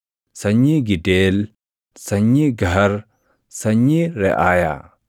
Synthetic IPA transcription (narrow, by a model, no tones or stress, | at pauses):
sɐɲːiɡidel | sɐɲːiɡaɦɐɾ | sɐɲːiɾɛʔaja̰